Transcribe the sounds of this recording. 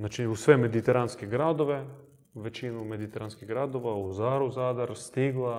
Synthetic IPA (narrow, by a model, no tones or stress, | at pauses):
at͡ʃiusʋemed̪it̪ɛɾanskeɡɾad̪oʋe | ʋet͡ʃinumed̪it̪ɛɾanskiɣɡɾad̪oʋauzaɾuzad̪aɾst̪iɡlˠa